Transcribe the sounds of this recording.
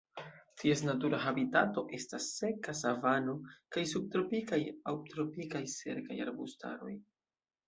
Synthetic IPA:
tʰie̞s̬natuɾaɦabitato̞ʔe̞stasːe̞kasavano̞kajsub̚tɾo̞pikajawtɾo̞pikajse̞̰ɾka̰ja̰ɾbusta̰ɾo̞̰j

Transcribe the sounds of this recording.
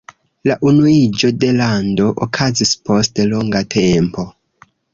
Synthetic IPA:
laʔunuid͡ʒo̞de̞lando̞ʔokʰazispʰo̞steloŋɡatʰe̞mpo̞

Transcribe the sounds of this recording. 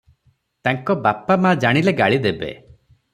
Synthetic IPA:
t̪aŋkɔbapamad͡ʒaɽ̃ileɡaɭid̪ebḛ

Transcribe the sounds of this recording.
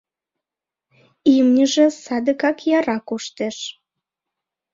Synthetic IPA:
imnʲəʒesɑd̪əkɑkjɑɾɑkuʃt̪eʃ

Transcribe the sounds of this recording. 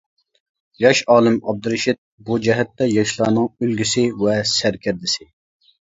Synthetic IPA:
jɑʃɑːlˠɨmɑb̚d̪ɨɾɨʃɪt̪̚bud͡ʒɛɦɛt̪ːɛjɑʃlˠɑːnɨŋølɡʲysɪwɛsæɾkʲʰɪɾd̪ɪsɪ

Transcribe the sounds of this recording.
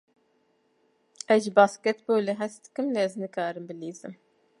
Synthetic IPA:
ɛzʒbɑːskɛt̪boːleɦɛsd̪ɨ̥kɨmleɛznɨkʰɑːɾɨmbɨliːzɨm

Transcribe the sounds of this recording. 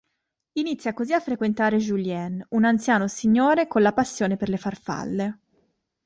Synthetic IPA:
init̪sːjakoziafːɾekwent̪aːɾed͡ʒuljɛnunant̪sjaːnosiɲːoːɾekonlapasːjoːneperlefarfa̰lːe

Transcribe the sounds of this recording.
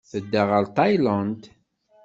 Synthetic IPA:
θəd̪ːaʁəɾt̪ˤːɑjlɑnd̪

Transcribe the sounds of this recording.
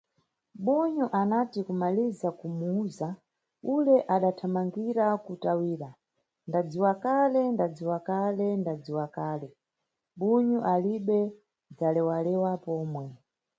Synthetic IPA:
ɓuɲuʔanatikumalizakumuuza | ulɛʔaɗatʰamaŋɡiɾakutawiːɾa | ndad͡ziwakalɛndad͡ziwakalɛndad͡ziwakaːlɛ | ɓuɲuʔaliɓɛ | d͡zalɛwalɛwapɔːmwɛ

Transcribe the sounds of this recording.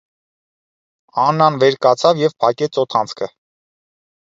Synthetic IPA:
ɑnːɑnvɛɾkɑt͡sʰɑvjɛvpʰɑkɛt͡sʰɔt̪ʰɑnt͡sʰkʰə

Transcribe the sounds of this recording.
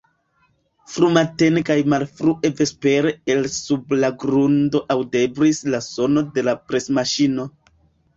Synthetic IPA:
fɾumate̞nkajmalfɾuʔe̞ve̞spe̞ɾe̞elsublaɡɾundo̞ʔawde̞bɾislaso̞no̞de̞lapɾe̞smaʃino̞

